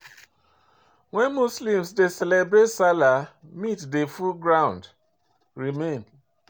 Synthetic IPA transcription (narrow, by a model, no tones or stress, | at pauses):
wɛnmuslĩmsdesɛlebɾetsalamitdefulɡɾãʊ̃nd | ɾimẽn